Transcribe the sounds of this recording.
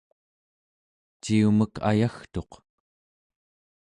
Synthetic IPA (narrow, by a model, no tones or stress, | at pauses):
t͡ʃiuməka̰jaxt̪o̞q